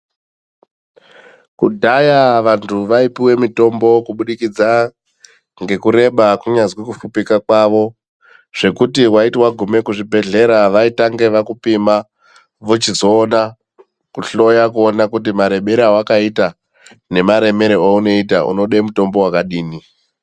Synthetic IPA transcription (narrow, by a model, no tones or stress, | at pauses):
kudʱajaʋantʰuʋaipiwe̞mito̞mbo̞kuɓuɗikid͡za | ŋɡe̞kuɾe̞ɓakuɲazwikufupikakwaʋo̞ | ʐ̥e̞kutiwaitwaɡʱume̞kuʐibʱe̞ɮe̞ɾaʋaitaŋɡe̞ʋakupima | ʋut͡ʃizo̞ːna | kuɬo̞jakuonakut̬imaɾe̞ɓeɾawakaita | ne̞maɾe̞me̞ɾeouno̞ita̰ʔṵno̞ɗemuto̞mbo̞wakaɗiːni